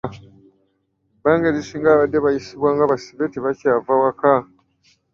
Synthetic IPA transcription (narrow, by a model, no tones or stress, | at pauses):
baːŋɡeɾisiːŋɡaβadːe̞βajisiβwaːŋɡaβasiβe̞tiβacaːvawaka